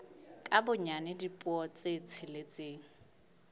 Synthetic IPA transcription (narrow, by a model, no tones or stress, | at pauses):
kʼabʊɲanɪdipʼɔt͡sʼet͡sʰɪlet͡sʼeːŋ̩